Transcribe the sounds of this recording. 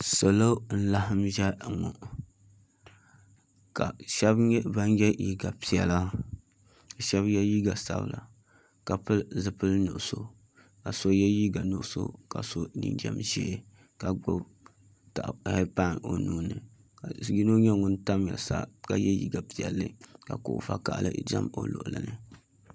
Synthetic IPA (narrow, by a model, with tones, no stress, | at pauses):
so˨lo˦n̩˦la˦ɦɨ˦mʒɛ˦ŋɔ̰˨ | ka̰˨ʃɛ˦bba˦n˦jɛ˦ji˦ɡa˨pi˨ɛ̰˨la˦˨ | ʃɛ˦bjɛ˦ji˦ɡa˨sa̰˦b̰la̰˨ | ka˨pɨ˦lzɨ˨pɨ˦lnʊ̰˨ʔso˦ | ka˨so˦jɛ˦ji˦ɡa˨nu˦ʔʊ˦so̰˦ka̰˨so˦nḭ˦n˦dɛ̰˦mʒɛ˦ | ka˨ɡ͡bʊ˦b | ta˨ʔhe˦pa˦˨no˨nuː˦nɨ˨ | kɡi˦no˦ɲɛ˦ŋʊ˦n˦ta˦mja̰˨sa̰˦ka˨jɛ˦jḭ˦ɡa˨pi˨ɛ˨lːɨ˦ka˨kʊ˨ʔfa˦ka˨ʔlɨ̰˦˨d͡ʒa̰˦mo̰˨lʊ̰˨ʔʊ˨lɨ̰˨nɨ˦